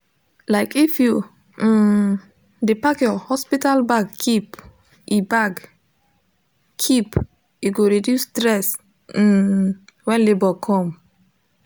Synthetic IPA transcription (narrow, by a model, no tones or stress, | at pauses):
laɪkifju | depakjɔhɔspitalbaɡkip | ʔibaɡ | kʰip | juɡoɹidjustɾɛs̩ | wɛ̃nlebɔkʰɔ̃m